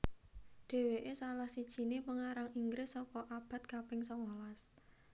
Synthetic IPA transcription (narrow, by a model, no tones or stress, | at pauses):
ɖ̥e̤weʔesalahsid̥ʒ̥i̤nepəŋaɾaŋiŋɡɾɪsɔkɔʔab̥a̤t̪̚kapɪŋsɔŋolas